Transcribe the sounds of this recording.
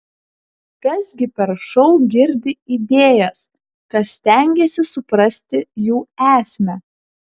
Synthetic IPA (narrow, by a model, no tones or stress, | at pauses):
kɐsɡʲɪpʲɛɾʃɔʊɡʲɪɾʲd̪ʲɪid̪ʲeːjɛs | kɐt̪sʲt̪ʲæˑŋʲɡʲesʲɪsʊpɾɐsʲt̪ʲɪjuːæːsʲmʲæ